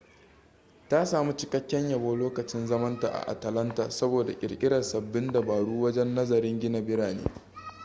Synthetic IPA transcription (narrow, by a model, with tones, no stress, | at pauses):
ta˦saː˨mu˦t͡ʃɪ˦kɐ˦kʲːɛ˦ɲjɐ˨boː˦loː˦kɐ˨t͡ʃɪ˦nzɐ˦mɐ˦nta̰˨ʔa̰˨ʔa̰˨tɐ˨lɐ˦ntaː˨sɐ˦boː˨da̰˨kʲʼɪ̰˨ɽkʲʼɪ˦ɽɐ˨sɐ˨bːɪ˦nda˨baː˨ɽuː˦wɐ˦d͡ʒɛ˦nːɐ˦zɐ˨ɾɪ˦ŋɡʲɪ˦na˨bɪ˦ɽaː˨nḛː˦